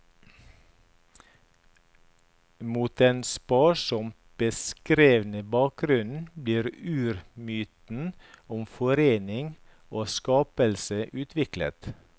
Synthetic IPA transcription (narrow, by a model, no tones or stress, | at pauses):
muːt̪eːnspɑːʃɔm | b̥əskɾeːʋnəbɑːk̚ɡɾʉn̩bliːɾʉːɾmyːt̪n̩ | ʊmfɔɾeːnɪŋ | oːskɑːpəlsəʔʉːt̪ʰʋɪklə̰t̪